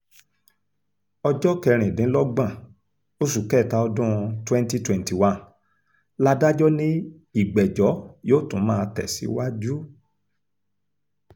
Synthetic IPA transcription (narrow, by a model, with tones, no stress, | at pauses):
ɔ˧d͡ʒɔ˦kɛ˧ɾ̃ĩ˨nĩ˨˦lɔ˦ɡ͡bã˦˨ | o˦su˨kɛ˦˨ta˧ɔ˧dũ˦˧twɛ̃˦nti˧twɛ̃˨nti˨wã˨n | la˦da˦d͡ʒɔ˦nĩ˦ | i˦˨ɡ͡bɛ˨d͡ʒɔ˨˦joː˦˨tũ˨˦mãː˦˧tɛ̰˨sḭ˨˦wa˦d͡ʒu˦